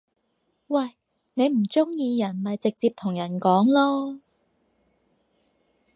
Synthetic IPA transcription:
wɐ˨j | ne˨˧jm̩˨˩t͡sʊ˥ŋjiː˧jɐ˨˩nmɐ˨jt͡sɪ˨k̚t͡siː˧p̚t̪ʰʊ˨˩ŋjɐ˨˩nkɔː˨˥ŋlɔː˥

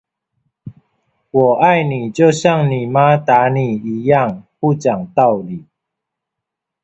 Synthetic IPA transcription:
wɔ˨˩ʔa˥˨ɪni˨˩t͡ɕjo˥˧ʊɕja˥˩ŋni˨˩ma˦t̪a˨˦ni˨˩i˨˦ja˥˧˨ŋpu˥˨t͡ɕja˨˩ŋt̪a˥˩ʊli˨˩

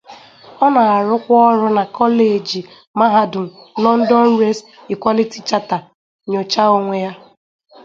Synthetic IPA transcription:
ɔ˦na˨a˨ɾʊ˦kʷɔ˦ɔ˦ɾʊ˦na˨kʰɔ˦le˨d͡ʒi˨ | ma˦ɦa˦dʊ˨n̩˨nɔ˦n̩˦dɔ˦n̩˦ɾe˦s | i˨kʷɔ˦li˦ti̥˦t͡ʃa˦ta˨ | ɲo˨t͡ʃa˦o˨ŋʷe˨ja˦

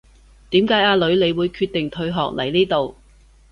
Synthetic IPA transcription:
t̪iː˨˥mkaː˨˥jaː˧lɵ˨˧ɥle˨˧jwuː˨˧jkʰyː˧t̚t̪ːɪ˨ŋt̪ʰɵ˧ɥɦɔː˨k̚lɐ˨˩jniː˥t̪o˨w

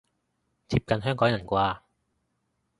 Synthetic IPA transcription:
t͡siː˧p̚kɐ˧nɦœː˥ŋkɔː˨˥ŋjɐ˨˩nkʷaː˧

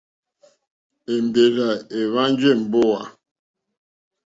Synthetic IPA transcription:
e˨m˨be˨ɣa˨e˨βa˦n˦d͡ʒe˦˨m̩˨bo˦˨wa̰˨

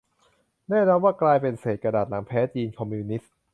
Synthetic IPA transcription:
nɛː˥˩nɔ˧nwaː˥˩klaː˧jpe˧nseː˨˩t̪̚kɾa˧daː˨˩t̪̚la˩˦ŋpʰɛː˦˥t͡ɕiː˧nkʰɔ˧mːuː˧ni˦˥s

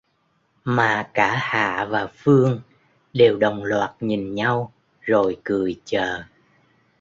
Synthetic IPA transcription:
maː˨˩kaː˧˩ha̰ː˧˨vaː˨˩fɨ˧əŋ | ɗe˨˩wɗə˨˩wŋ͡mlwaː˨˩t̚ɲi˨˩nɲa˧w | zo˨˩jkɨ˨˩əjt͡ɕəː˨˩

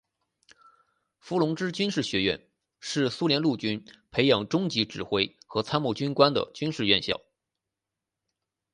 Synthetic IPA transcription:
fu˧˥lʊ˧˥ŋʈ͡ʂɻ̩˥t͡ɕy˥nʂɻ̩˥˩ɕɥɛ˧˥ɥɛ̰˥˧n | ʂɻ̩˥˩su˥ljɛ˧˥nlu˥˩t͡ɕy˥npʰe˧˥ɪjɑ˨˩ŋʈ͡ʂʊ˥ŋt͡ɕi˧˥ʈ͡ʂɻ̩˨˩xwe˥ɪxɤ˧˥t͡sʰa˥nmu˥˩t͡ɕy˥nkwa˥nd̪ə̰˨t͡ɕy˥nʂɻ̩˥˧ɥɛ˥˧nɕjɑ̰˥˩ʊ

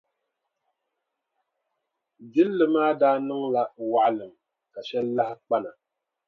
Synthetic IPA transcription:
bi˦lːɨ˨maː˦daː˦nɨ˦ŋla˨wa˨ʔlɨ˨m | ka˨ʃɛ˦lːa˦hɪ˦k͡pa˦na˨

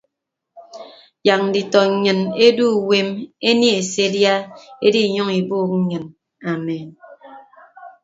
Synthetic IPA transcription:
ja˨k̚n̩˨di˨tɔ˨ɲɨ˨ne˦du˦˨we˦me˦ni˦e˨se˦dja˦e˦di˦˨ɲɔ˦ŋi˨boː˦˨k̚ŋ̩˦ɲɨ˨n | a˨me˨n

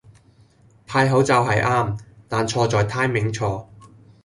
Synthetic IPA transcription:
t̪ʰaː˧jɦo˨˥wt͡sɐ˨˧wɦɐ˨jʔaː˥mt̪aː˨nt͡ʃʰɔː˧t͡sɔː˨jt̪ʰaː˥jmɪ˨˥ŋt͡ʃʰɔː˧

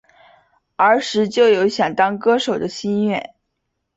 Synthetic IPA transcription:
ə˞˧˥ʂɻ̩˧˥t͡ɕjo˥˩ʊjo˧˥ʊɕjɑ˨˩ŋt̪ɑ˥ŋkɤ˥ʂo˨˩ʊd̪ə˦ɕi˥nɥɛ̰˥˩n

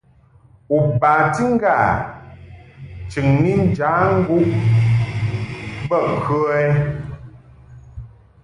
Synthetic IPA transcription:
u˨baː˨ti˦ŋ̩˦ɡa˦˨ | t͡ʃɨ˨ŋni˦n˦d͡ʒaː˨˦ŋ̩˦ɡu˦ʔ | bə˦˨ŋ̩˨kə˦ɛ˦

